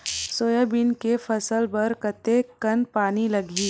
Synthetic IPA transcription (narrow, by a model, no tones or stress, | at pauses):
soːjabinkefʰɐsəlbɐɾkɐt̪ekɐnpaːnilɐɡʱiː